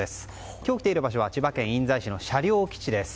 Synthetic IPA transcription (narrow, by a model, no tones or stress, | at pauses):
e̞sɨ̥ | kʲoːkʲi̥t̪eiɾɯ̟baɕ̬o̞βat͡ɕibakẽ̞ɰ̃ĩnd͡zaiɕino̞ɕaɾʲo̞ːkʲi̥t͡ɕid̪e̞sɨ̥